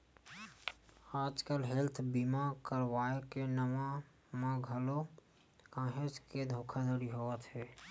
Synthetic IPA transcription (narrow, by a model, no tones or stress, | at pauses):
aːd͡ʒkəlɦelt̪ʰbimakəɾwaːekenəma | mãɡʱəlo | kãːɦesked̪ʱoːkʰad̪əɽiɦoːət̪ɦɛː